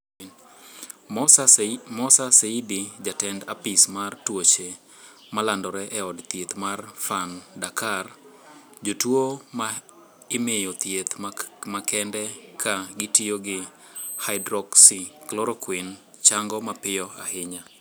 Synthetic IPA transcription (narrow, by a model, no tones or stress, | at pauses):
mɔsaseidid͡ʒatɛnda̰pismartwot͡ʃe | malandɔɾɛʔɛɔdt̪jet̪marfandakar | d͡ʒotwoma | ɪmejot̪et̪makɛndɛkʰaɡɪtioɡɪ | haɪdɾɔksiklɔɾɔkwin | t͡ʃaŋɡɔmapɪjɔa̰hɪɲa